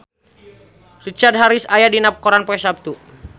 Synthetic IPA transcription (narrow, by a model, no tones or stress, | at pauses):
rit͡ʃard̚ɦaɾisajadinap̚kɔɾanpɔɛsap̚t̪u